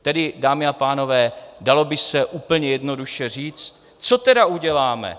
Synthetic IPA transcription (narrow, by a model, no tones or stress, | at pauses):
t̪ɛdɪdaːmɪapaːno̞vɛːdalo̞bɪsɛʔuːpl̩ɲɛjɛdno̞duʃɛr̝iːt͡st̪ | t͡so̞t̪ɛdauɟɛlaːmɛ̰